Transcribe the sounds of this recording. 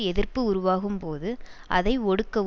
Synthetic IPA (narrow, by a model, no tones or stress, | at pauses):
ɛðɪrpɯʊɾʊʋaːɣɯmpoːðɯʔɐðɐɪɔɽɯkːɐ